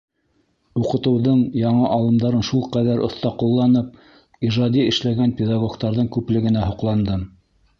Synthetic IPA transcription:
uqɤ̆t̪ɤ̆wðɤɴjɑɴɤʔɑlˠɤ̆md̪ɑɾɤnʃulˠqæðæɾʔŏθt̪ɑqulˠːɑnɤp̚ | iʒɑd̪iɘ̆ʃlæɡænpʲɪd̪ɑɡoɡt̪ɑɾðɤɴkʉplɘ̆ɡɘ̆næɦŏqlˠɑnd̪ɤ

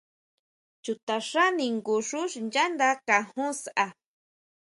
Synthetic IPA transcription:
t͡ʃʊt̪aɾaniŋɡuʂʊʃnd͡ʒand̪akahusa

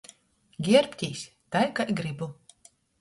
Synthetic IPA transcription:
ɡʲiɛɾpʲt̪ʲiːsʲ | t̪ajkajɡɾibu

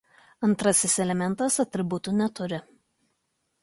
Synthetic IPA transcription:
ɐnˑt̪ɾɐsʲɪsɛlʲɛmʲɛnˑt̪ɐsɐt̪ʲɾʲɪbʊt̪ʊnʲɛt̪ʊɾʲɪ

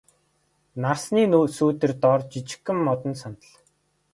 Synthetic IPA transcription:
narsniːnuːsuːt̪ɘ̆rt̪ɔrt͡ɕit͡ɕɪ̥̆xɘ̆mːɔt̪ɞ̆nsɔnt̪ə̆ɮ

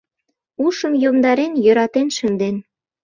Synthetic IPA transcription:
uʃə̆mjomd̪ɑɾenjøɾɑt̪enʃə̆nd̪en

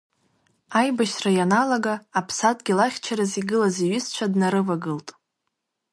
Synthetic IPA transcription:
ajbaʃrajanaloɡaːpʰsatʼɡʲilaχʲt͡ʃʰaɾɨziɡɨlaziɥɨst͡ʃʷʰadnaɾɨvaɡɨltʼ

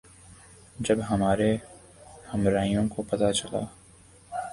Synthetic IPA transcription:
d͡ʒɐbɦɐmaːɾe | hɐmɾaːijõkopɐt̪at͡ʃɐla̰ː

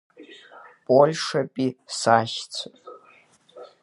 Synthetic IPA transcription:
pʼolʲʂapʼisaʃt͡sʰɨ

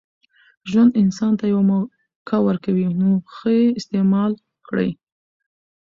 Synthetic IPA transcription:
ʒwand̪ɪnsɑnt̪ajawam | kʰɑwəɾkawinoxəeɪst̪emɑl | kɽə̰j

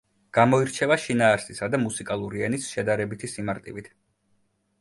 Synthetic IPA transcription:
ɡ̥amɔiɾt͡ʃʰɛvaʃinaːɾsisad̪amusikʼalˠuɾiɛnisʃɛd̪aɾɛbit̪ʰisimaɾt̪ʼivit̪ʰ

